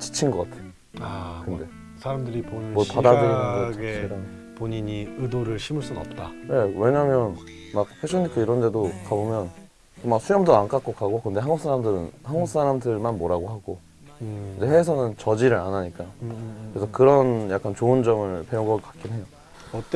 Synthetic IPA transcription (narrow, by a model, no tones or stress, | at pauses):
t͡ɕi̥t͡ɕʰinɡʌk͈atʰeo | akɯnde̞ | sʰaɾamdɯɾiponmoɭpadadɯɾnaɡʰɡt͡ɕeɾa | poɲiɲiɯdoɾɯɭɕʰimɯɭs͈unʌ̰p̚t͈ane̞we̞ɲamjʌn | mak̚pʰeɕʰʌnikʰɯiɾʌnde̞dokabomjʌn | komak̚sʰujʌmdoank͈ak͈̚okaɡoakɯnde̞hanŋɡuk̚s͈ʰaɾamdɯɾɯnhanɡuk̚s͈aɾamdɯɭmanmoɾaɡoɦaɡo | id͡ʑe̞he̞sʰʌnɯnt͡ɕʌd͡ʑiɾɯɭanaɲik͈akɾe̞sʰʌkɯɾʌnjak͈ant͡ɕoɯnd͡ʑʌmɯɭpe̞uŋɡʌɡk͈ḁk͈inɦe̞jo | ʌt͈